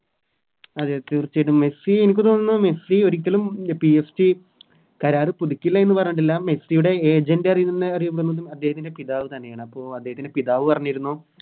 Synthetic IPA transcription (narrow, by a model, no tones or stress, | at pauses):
ɐðet̪ːirt͡ɕːejʈːumme̞sienikʲːɨt̪o̞ːnːunːɨmesio̞ɾik̬ʲːɐlumpiesti | kɐɾaːrɨpuðikʲːilːɐenːɨpɐrɐɲːuɳʈ̬ːelːaːmmesijuɽe̞eːd͡ʑɐndeɐrijuninːɨɐrijupːɐɽnːɐðɨmɐd̪ːehɐt̪̬ːinde̞piðaːʋɨt̪ɐnːe̞jaːɳɨɐpːo̞ːɐd̪ːehɐt̪indepiðaːʋɨpɐrɐɲːiɾunːu